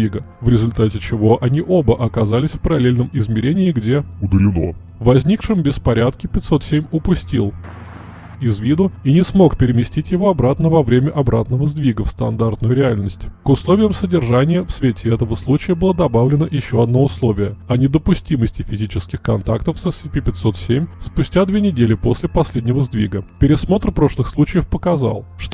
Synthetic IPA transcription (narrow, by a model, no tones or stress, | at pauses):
iɡəvɾʲɪzʊlʲt̪atʲɪt͡ɕɪvo̞ʔɐnʲiʔo̞bəʔɐkɐzalʲɪsʲfpəɾɐlʲelʲnəmɪzmʲɪɾʲenʲɪːɡdʲe̞ʊd̪əlʲɪno̰ | vːɐzʲnʲikʂɨmbʲɪspɐɾʲat̪kʲɪpʲɪt̪ʲso̞t̪sʲemʲʊpʊsʲtʲilˠ | ɪzvʲid̪ʊinʲɪsmo̞kpʲɪɾʲɪmʲɪsʲtʲitʲjɪvo̞ɐbɾat̪nəvɐvɾʲemʲəʔɐbɾa̰t̪nəvəzd̪vʲiɡəfst̪ɐnd̪art̪nʊjʊɾʲɪalʲnəsʲtʲkʊslˠovʲɪjəmsədʲɪrʐanʲɪjəfsvʲetʲɪɛt̪əvəslˠut͡ɕɪjəbɨlˠəd̪ɐbavlʲɪnəʔjɪɕːo̞ɐd̪no̞ʊslˠo̞vʲɪjəɐnʲɪd̪əpʊsʲtʲiməsʲtʲɪfʲɪzʲit͡ɕɪskʲɪxkɐnt̪akt̪əfsəsʲɪpʲipʲɪt̪so̞t̪sʲemʲspʊsʲtʲad̪vʲenʲɪdʲelʲɪpo̞sʲlʲɪpɐsʲlʲedʲnʲɪvəzd̪vʲiɡəpʲɪɾʲɪsmo̞t̪rpɾo̞ʂlˠɨxslˠut͡ɕɪjəfpəkɐza̰lˠʂt̪